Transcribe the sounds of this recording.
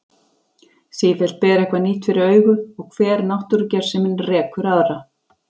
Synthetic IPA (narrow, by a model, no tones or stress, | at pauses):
siːðɛl̥t̪̚pɛːɾaɛhkvaniːt̪fɪɾɪɾœːɥɣʏɔɣkʰv̥ɛːɾnawht̪ʏɾcɛɾ̥sɛmɪnrɛːkʏɾaðɾa